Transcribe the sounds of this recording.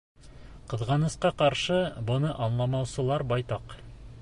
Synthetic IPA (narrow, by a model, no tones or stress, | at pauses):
qɤ̆ðʁɑnɤ̆sqɑqɑɾʃɤbɤ̆nɤʔɑnlˠɑmɑwsɤ̆lˠɑɾbɑjt̪ɑq